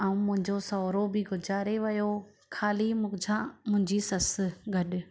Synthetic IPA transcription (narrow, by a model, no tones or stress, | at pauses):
aːũmʊ̃ɦɪ̃ɲd͡ʑosɔːɾobɪɡʊd͡ʑaːɾeʋɐjo | kʰaːlimʊd͡ʑʱãmʊ̃ɦɪ̃ɲd͡ʑisɐsɡʱɐɗɪ̆